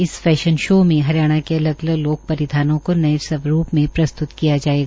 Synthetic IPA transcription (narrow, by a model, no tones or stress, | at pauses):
ɪsfɛːʃənʃoːmẽɦɐɾjaːɽ̃akeɐləɡɐləɡloːk̚pɐɾɪd̪ʱaːnõkonɐesɐʋɾuːpmẽpɾɐst̪ʊt̪kijad͡ʒaːeːɡaː